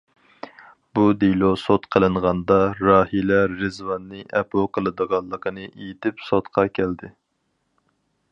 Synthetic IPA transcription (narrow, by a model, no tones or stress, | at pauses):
bud̪ilˠosot̪qʰəlˠɨɴʁɑnd̪ɑɾɑːhilæːɨzwɑnːɨʔɛpoqʰəlˠɨd̪əʁɑllˠːəqʰənɨʔejit̪ɪpsot̪qʰɑkʲʰæld̪ɪ